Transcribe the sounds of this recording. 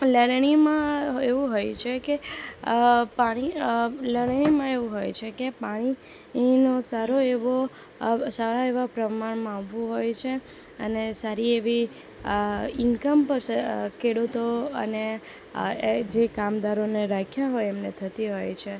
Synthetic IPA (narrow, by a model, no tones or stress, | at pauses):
ləɾɳ̃imãeʋũɦojt͡ʃʰeke | paɽ̃iləɽɳimãeʋũɦojt͡ʃʰekepaɽ̃i | nosaɾoeʋo | saɾaeʋapɾəmaɳmãaʋːũɦojt͡ʃʰe | ə̰nesaɾieʋi | ɪnkəmpəɾskʰeɽut̪oə̰ne | d͡ʒekamd̪aɾoneɾakʰjaɦojemnet̪ʰət̪iɦojt͡ʃʰe